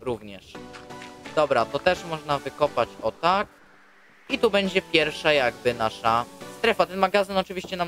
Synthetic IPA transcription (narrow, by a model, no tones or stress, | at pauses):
ɾuvɲɛʂ | d̪̥ɔbɾat̪ɔt̪ɛʂmɔʐnavɘkɔpat͡ɕɔt̪ak | it̪ubɛɲd͡ʑɛpʲjɛɾfʂajaɡ̚bɘnaʂast̪ɾɛfat̪ɛnmaɡazɘnɔt͡ʂɘvʲiɕt͡ɕɛnam